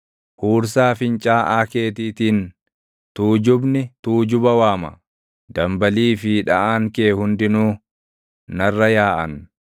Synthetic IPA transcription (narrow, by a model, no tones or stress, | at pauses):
huːɾsaːfɪnt͡ʃʼaːʔaːke̞ːt̪iːt̪iːn | t̪uːd͡ʒʊbnɪt̪uːd͡ʒʊbɐwaːmɐ̰ | d̪ɐmbɐliːfiᶑɐʔaːŋkeːhʊnd̪ɪnuː | nɐrːɐjaːʔɐ̰n